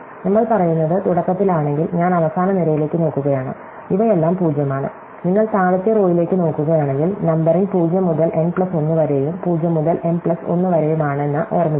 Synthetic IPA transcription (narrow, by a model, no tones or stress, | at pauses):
nɐmːɐɭpɐrɐjunːɐðɨt̪uɽɐkːɐt̪ːilaːɳe̞ŋɡilɲaːnɐʋɐsaːnɐniɾɐjile̞ːkːɨno̞ːkːuɣɐjaːɳɨ̰ | iʋɐelːaːmpuːd͡ʑjɐmaːɳɨ̰ | niŋːɐɭt̪aːɻɐt̪ːijɐroːjile̞ːkːɨno̞ːkːuɣɐjaːɳe̞ŋɡilnɐmbɐrinpuːd͡ʑjɐmːuðɐlʔe̞npɭɐso̞nːɨʋɐɾejumpuːd͡ʑjɐmːuðɐlʔe̞mpɭɐso̞̰nːɨʋɐɾejumaːɳɨenːɨʔoːrmi